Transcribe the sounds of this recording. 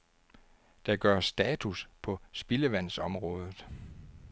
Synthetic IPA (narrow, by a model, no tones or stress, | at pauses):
d̥ɑ̈ɡ̥ɶɐ̰sd̥ɛːt͡sʰuspʰɒ̽sb̥e̝ləʋæn̰sɒ̽mʁɔ̽ːð̞ˠð̩ˠ